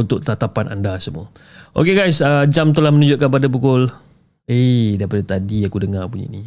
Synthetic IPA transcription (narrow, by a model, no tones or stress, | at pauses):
unt̪ʊʔ̚t̪at̪apana̰ndasəmṵa | ʔo̰keɡajsəd͡ʒamt̪əlahmənũd͡ʒʊʔ̚kanp̬adabukʊl | edaipadat̪adiakudəŋarpuɲḭni